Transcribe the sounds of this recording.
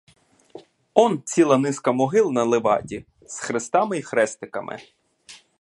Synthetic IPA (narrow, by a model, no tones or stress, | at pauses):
ɔnt͡sʲilˠɐnɪskɐmɔɦɪlˠnɐlˠɪʋɑ̰tʲi | sxɾɪst̪ɑmɪixɾɛst̪ɪkɐmʔɪ̰